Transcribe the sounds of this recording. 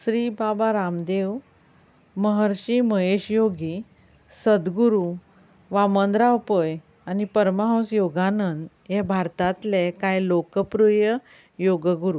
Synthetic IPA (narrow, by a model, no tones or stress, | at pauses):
sɾibabaɾamd̪eʋ | məɦəɾɕiməɦeɕjoɡi | səd̪ɡuɾu | ʋamənd̪ɾawpəj | anipəɾməɦə̃w̃sjoɡanənd̪ | jebʱaɾt̪at̪lekajlokəpɾujə | joɡəɡuɾu